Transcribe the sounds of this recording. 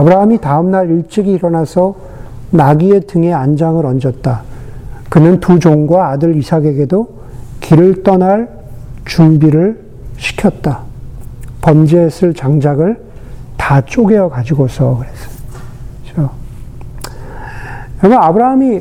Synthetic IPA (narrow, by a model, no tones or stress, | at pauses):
abɯɾaɦamitaɯmnaɾiɭt͡ɕ͈iɡiːɾʌnasʰʌ | naɡie̞tɯŋe̞and͡ʑaŋɯɾʌnd͡ʑʌt̚t͈a | kɯnɯntud͡ʑoŋɡwaːdɯɾisʰaɡe̞ɡe̞do | kʰiɾɯɭt͈ʌnaɭ | t͡ɕumbiɾɯɭ | ɕʰi̥kʰjʌt̚t͈a | pʌnd͡ʑesʰɯɭt͡ɕaŋd͡ʑaɡɯɭ | tat͡ɕ͈oɡe̞jʌkad͡ʑiɡosʰʌkɯɾesʌ̥ | t͡ɕo | ɾmʌabɯɾaɦami